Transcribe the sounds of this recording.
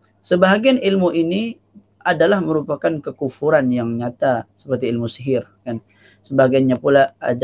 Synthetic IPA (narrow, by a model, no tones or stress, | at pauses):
səbaɦaɡianilmuʔini | ʔadalahməɾupakankəkufuɾanjaŋɲat̪asə̥pərt̪iilmusiɦɪrkan | səbaɦaɡianɲapulaa̰d